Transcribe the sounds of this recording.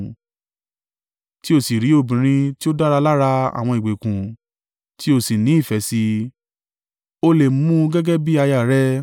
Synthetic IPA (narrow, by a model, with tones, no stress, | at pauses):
ti˦o˦˨si˨ɾi˨˦o˦˧˨bĩ˨ɾ̃ĩ˧ti˦o˦da˦ɾa˧la˦ɾa˧a̰˨w̃ɔ̃˧i˨ɡ͡be˨kũ˨ | ti˦o˦˨si˨nĩ˨˦i˦˨fɛ˨˦si˧ | o˧le˨m˦ũ˦ɡɛ˦ɡɛ˦bi˦a˧ja˦˨ɾɛ˦